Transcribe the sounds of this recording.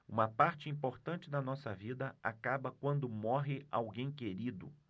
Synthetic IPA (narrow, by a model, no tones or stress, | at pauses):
ũmɐpaɾt͡ʃɪĩpoɾt̪ɐ̃t͡ʃɪd̪ɐnɔsɐvid̪ɐa̰kabɐkwɐ̃nd̪ʊmɔɦɪawɡẽj̃keɾid̪ʊ̰